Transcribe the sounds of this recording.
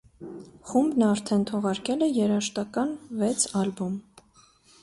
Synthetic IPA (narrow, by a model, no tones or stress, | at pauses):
χumbnɑɾt̪ʰɛnt̪ʰɔʁɑɾkɛlɛjɛɾɑʃt̪ɑkɑnvɛt͡sʰɑlbum